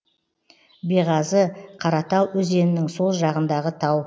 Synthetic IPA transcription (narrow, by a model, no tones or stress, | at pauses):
bijʁɑzəqʰɑɾɑt̪ɑwɵze̞nɪnɪŋso̞lˠʒɑʁənd̪ɑʁət̪ʰɑw